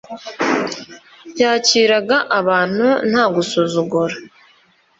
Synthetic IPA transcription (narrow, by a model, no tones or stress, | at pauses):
jaːciːɾaɡaʔaβaːn̥un̥haːɡusuzuɡuɾa